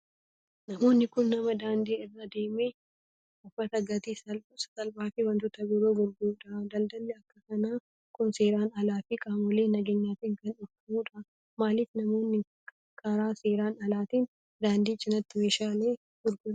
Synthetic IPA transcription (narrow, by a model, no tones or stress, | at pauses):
nɐmo̞ːnːɪkʊnːɐmɐd̪aːnd̪iːɪrːɐd̪e̞ːme | ʊfɐt̪ɐɡɐt̪iːsɐlbssɐlbaːfɪwɐnt̪ʊt̪ɐbɪɾoːɡʊɾɡuᶑɐd̪ɐld̪ɐlːɛɐkːɐkɐnaː | kʊnse̞ːɾaːnɐlaːfɪkʼaːmʊleːnɐɡeːɲːaːt̪ɪŋkɐnɔɾkɐmuːᶑɐ | maːlɪfnɐmo̞ːnːɪ | kʰːaɾaːse̞ːɾaːnɐlaːt̪iːn | d̪aːnd̪iːt͡ʃːɪnɐt̪ːɪmeːʃaːle̞ː | ɡʊɾɡʊ